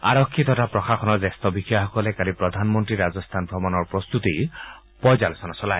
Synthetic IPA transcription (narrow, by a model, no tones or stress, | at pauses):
a̰ɹɔkʰːit̪ɔtapɹɔxaxɔnɔɹzɛstɔbixɔjaxɔkɔlɛkalipɹɔd̪ʱanmɔntɹiɹazɔst̪ʰanbʱɔmɔnɔɹpɹɔst̪ut̪i | pɔjzalɔsɔnasɔlaj